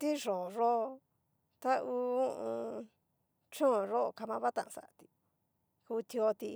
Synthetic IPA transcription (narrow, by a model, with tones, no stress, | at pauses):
t̪i˦ʐo˨ʐo˦˧ | t̪a˦uː˧ũ˦ʔũ˧ | t͡ʃõ˦˨ʐo˦o˧ka˧mã˧βa˦t̪ã˧ʔã˧sa̰˨ʔa˧t̪i˧ | ku˧t̪i˧o˧t̪i˧